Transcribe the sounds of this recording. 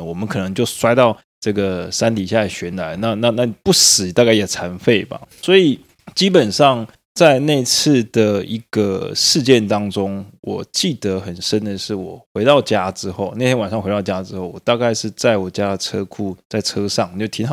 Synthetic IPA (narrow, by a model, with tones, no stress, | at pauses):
wɔ˨˩mə˦nkʰɤ˨˩nɤ˧˦ŋt͡ɕjo˥˩ʊswa˥ɪt̪ɑ˥˧ʊ | ʈ͡ʂɤ˥˩ɡə˩sa˥nt̪i˨˩ɕja˥˩ɕɥɛ˧˥nla˧˦ɪna˥˧na˥˧na˥˩pu˥˩sɹ̩˨˩˦t̪a˥˧ka˥˩ɪjɛ˨˩t͡sʰa˧˥nfe˥˩ɪba̰˨˩swɔ˧˥i˨˩ | t͡ɕi˥pə˨˩nʂɑ˥˧ŋ | t͡sa˥˧ɪne˥˧ɪt͡s̩ʰ˥˩d̪̥ə˩i˧˥ɡ̥ə̰˧ʂɻ̩˥˧t͡ɕjɛ˥˩nt̪ɑ˥ŋʈ͡ʂo˥ŋwɔ̰˨˩t͡ɕi˥˩t̪ə˦xə˨˩nʂə˦˥nd̪ə˨ʂɻ̩˥˩wɔ˨˩xwe˧˥ɪt̪ɑ˥˩ʊt͡ɕja˥ʈ͡ʂɻ̩˥xo˥˩ʊne˥˩ɪt̪ʰɛ˥nwa˨˩nʂɑ˥ŋxe˧˥ɪɑ˥˩ʊt͡ɕja˥˧ʈ͡ʂɻ̩˥xo˥˩ʊwɔ˨˩t̪a˥˧ka˥˧ɪʂɻ̩˥˧t͡sa˥˩ɪwɔ˨˩t͡ɕja˥d̪ə˨ʈ͡ʂʰɤ˥kʰu˥˧t͡sa˥˩ɪʈ͡ʂʰɤ˥ʂɑ˥˩ŋ˨t͡ɕo˥˩t̪ʰi˧˥ŋxɑ˨